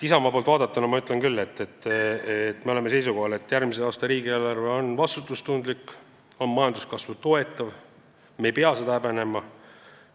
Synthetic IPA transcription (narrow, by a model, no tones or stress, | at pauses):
t̪isɑmɑpolt̪vɑːd̪ɑt̪ːˑɑnɑmɑyt̪ːˑlenkylːe̞t̪ːet̪ːet̪ːme̞o̞le̞me̞se̞jsuko̞ɦɑle̞t̪ːˑjærmiseɑːst̪ɑɾiːɡielɑɾveo̞nvɑst̪ut̪ːˑust̪und̪likː | o̞nmɑjɑnd̪uskɑsvut̪o̞e̞t̪ːˑɑv | me̞jpeɑsed̪̥ɑæpæne̞mɑ